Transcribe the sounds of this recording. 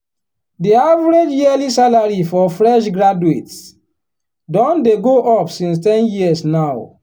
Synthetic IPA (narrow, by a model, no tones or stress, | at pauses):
diavɾed͡ʒjiəlisalaɹifɔfɹɛʃɡɹaduets | dɔ̃ndeɡoʔɔpsĩns̬tɛ̃njiəsnaʊ